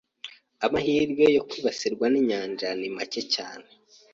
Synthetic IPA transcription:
amahiːɾɡe̞jo̞kwiːβasiɾɡwaniɲaːnd͡ʒanimace̞ca̰ːne

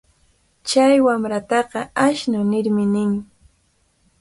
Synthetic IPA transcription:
t͡ʃajwamɾat̪ɑqɑaʃnʊnɪɾmɪnɪŋ

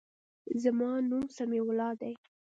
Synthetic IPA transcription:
zamɑnumsamiwlɑd̪aj

